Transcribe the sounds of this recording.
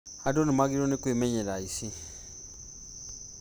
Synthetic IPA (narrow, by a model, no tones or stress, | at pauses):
adonimaɡiɾonekwemeɲeɾaisi